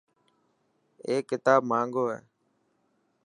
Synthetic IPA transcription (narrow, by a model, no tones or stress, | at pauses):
eːkːɪt̪aːb̚mãːŋɡoːɦɛ̰ː